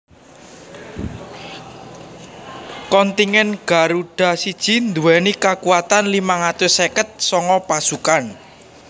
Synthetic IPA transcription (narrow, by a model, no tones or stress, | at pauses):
kɔnt̪iŋɛnɡ̥a̤ɾuɖ̥a̤sid̥ʒ̥i̤nd̪uwɛnikakuwat̪anlimaŋat̪ʊsekət̪̚sɔŋɔpasukan